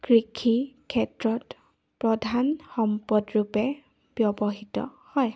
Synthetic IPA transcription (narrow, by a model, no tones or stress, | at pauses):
kɹikʰikʰɛtɹɔt | pɹɔdʱanxɔmpɔdɹupɛ | b̥jɔbɔɦitɔ̰hɔj